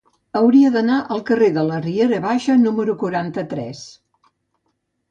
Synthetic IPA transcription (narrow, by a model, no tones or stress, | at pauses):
əwɾiəðənaʔəlˠkəreðələrieɾəβaʃənuməɾukuɾant̪ət̪ɾɛs